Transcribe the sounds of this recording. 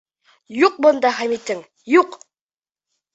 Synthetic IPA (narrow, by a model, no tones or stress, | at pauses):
juq̚bŏnd̪ɑχæmit̪ɘŋ | juq